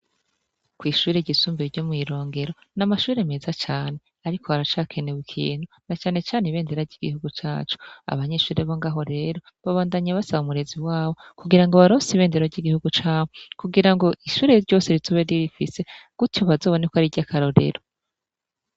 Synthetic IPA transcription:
kwiːʃuːɾe̞ɟisuːmbiɟomŋiːɾo̞ːŋɡe̞ɾo̞ | namaʃuːɾe̞me̞ːzat͡ʃaːne̞ | aɾiko̞haɾat͡ʃaːkʰe̞neβukʰḭːn̥hu | nat͡ʃaːne̞t͡ʃaːneβe̞ːndeɾaɟiɡihuɡut͡ʃa̰ːt͡ʃu̥a̰βaɲe̞ʃuːɾeβoŋɡaːɦo̞ɾe̞ɾo̞ | βaβaːndaɲeβasaβaumuɾe̞ziwaːβo̞kuɡiɾaŋɡoβaɾo̞siβe̞ːndeɾoɟiɡihuɡut͡ʃaːβokuɡiɾaŋɡo̞ʔiʃuːɾe̞ɾɟo̞ːse̞ɾizoβeɾiɾifise̞ɡ̥utoβazo̞ːβo̞nekoaɾiɟakʰaɾo̞ɾe̞̰ɾo

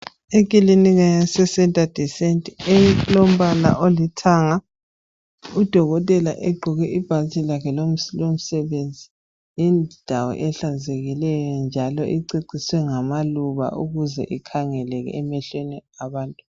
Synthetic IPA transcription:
ek̬ʼiliniɣaasɛsɛntʼad̥ʱisɛntʼɛlom̩βala̰ʔolitʰaŋa | ud̥ʱɔɣɔtʼɛla̰ʔɛɡ͡ǃʱuɣɛʔib̥ʱalitʼʰilakʰɛlomlom̩sɛβend͡zʱi | jind̥ʱawɔ̰ʔɛɬazeɣilɛjɔnd͡ʒʱalɔʔiǀiǀiswɛŋamaluβa̰uɣuzɛ̰ʔikʰaŋɛlɛɣɛ̰ːmɛɬweniaβaːntʼu

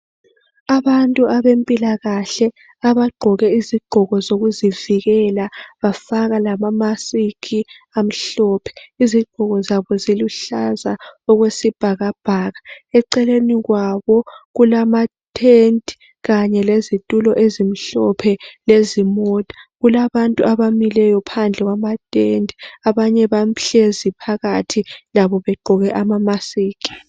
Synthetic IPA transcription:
aβantʼuaβempʼilaɣaɬɛ | aβaɡ͡ǃʱɔɣɛiziɡ͡ǃ̥ʱɔɣɔzoɣuziviɣɛlaβafaɣalamamasikʰi | am̩ɬɔːpʰɛ̥iziɡ͡ǃ̥ʱɔɣɔzaβɔziluɬazaɔɣwesib̥ʱaɣab̥ʱaːɣaɛǀɛleniɣwaβɔɣulamatʼʰendʱʼi̥ | ɣaɲɛlezitʼulɔʔezim̩ɬɔpʰɛlezimɔtʼḁɣulaβantʼuʔaβamilɛjɔpʰand͡ɮʱɛɣwamatʼendʱiaβaɲɛβam̩ɬezipʰaɣatʰilaβɔβɛɡ͡ǃʱɔɣɛʔamamasiːkʼi̥

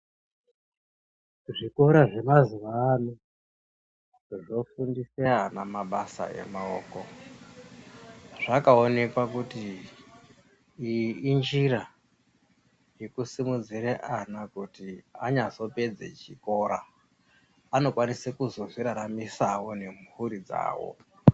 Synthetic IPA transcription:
ʐiko̞ɾaʐe̞maziʋaːno | ʐo̞fundiseanamaɓasa̰e̞̰maoːko̞ | ʐ̥akaone̞kwakuti | nd͡ʒira | jekusimud͡ziɾeʔanakutia̰ɲazo̞pe̞d͡zḛt͡ʃiko̞ɾa̰ː | no̞kwanisekuzo̞ʐiɾaɾamisawo̞ne̞mhuɾid͡za̰ːwo̰

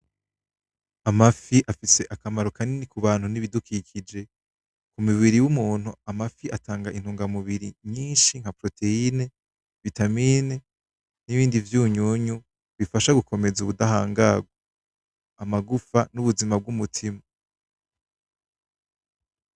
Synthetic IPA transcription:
amafiʔafise̞ʔakamaɾokʰaninikuβaːnhuniβidukʰicʰid͡ʒe̞ | kumuβiɾiwumuːn̥huamafiʔatʰaːŋɡaʔin̥huːŋɡamuβiɾiɲiːnʃiŋ̥hapɾo̞tʰe̞ine | βitamine | niβiːndivjuːɲuɲu | βifaʃaɡukʰo̞me̞zuβudahaːŋɡaɡwa | amaɡufanuβuzimab̚ɡumutʰima

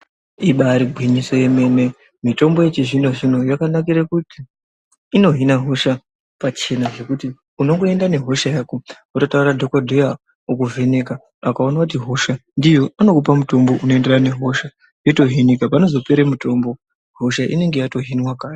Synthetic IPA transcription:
iɓaɾiɡʱwiɲisojeme̞ne̞ | mito̞mbo̞jet͡ʃeʐino̞ʐino̞jakanakiɾakutiː | no̞ɦinaɦo̞ʃa | pat͡ʃe̞naʐe̞kuti | uno̞ŋɡo̞e̞ndane̞ɦo̞ʃajaːko | atotauradʱokadʱoja | ukuve̞ne̞ka | akao̞nakut̬iɦo̞ʃandijo̞ano̞kupamuto̞mbo̞ʔunoe̞nderane̞ɦo̞ʃa | jeto̞ɦinikapano̞zo̞peɾemuto̞ːmbo̞ | ɦo̞ʃaʔḭne̞ŋɡe̞jato̞ɦinwakaːj

